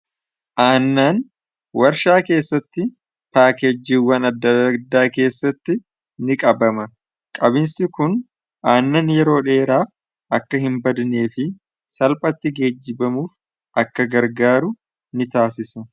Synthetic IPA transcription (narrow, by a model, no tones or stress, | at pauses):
ʔaːnːaːn | wɐɾʃaːke̞ːsːɐt̪ːɪ | paːkɛd͡ʒːiːwːɐnɐd̪ːɐɐd̪ːaːke̞ːsːɐt̪ːɪ | nɪkʼɐbɐmɐ | kʼɐbɪnsɪkʊn | ʔaːnːaːnjɛɾo̞ːᶑe̞ːɾaːf | ʔɐkːɐɦɪmbɐd̪ne̞ːfɪ | sɐlpʼɐt̪ːɪɡe̞ːd͡ʒːɪbɐmuːf | ʔɐkːɐɡɐɾɡaːɾʊ | nɪt̪aːsɪsɐ